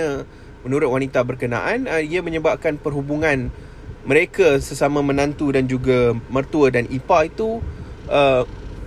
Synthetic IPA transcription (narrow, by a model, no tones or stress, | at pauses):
ə̃ | mənuɾʊt̪̚wanit̪abərkəna̰ʔanəiamə̃ɲəbap̚kanpərɦubuŋãn | mə̃ɾekasəsamãmə̃nãnt̪udand͡ʒuɡamərt̪uədanipait̪uʔə